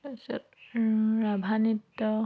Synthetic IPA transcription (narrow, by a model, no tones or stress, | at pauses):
asɔ̰t | ɹabʱanit̪ːɔ